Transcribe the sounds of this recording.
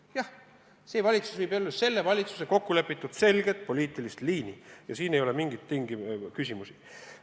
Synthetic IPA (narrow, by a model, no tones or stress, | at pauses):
jɑh | seːvɑlʲit̪su̥svɯjbelːese̞lːe̞vɑlʲit̪su̥se̞ko̞kːule̞pːˑit̪ːˑud̪̥se̞lɡ̥e̞t̪̚po̞lʲiːt̪ˑilist̪liːnijɑsiːnejo̞lemiŋɡit̪ːiŋɡ̥ikysʲimusi̥